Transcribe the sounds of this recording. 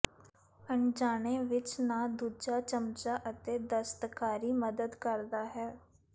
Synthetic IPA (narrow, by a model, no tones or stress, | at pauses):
əɳd͡ʒaːnẽːʋɪt͡ʃnaːd̪uːd͡ʒaːt͡ʃəmt͡ʃaːʔət̪eːd̪əst̪kaːɾiːməd̪əd̪kəɾd̪aːɦɛː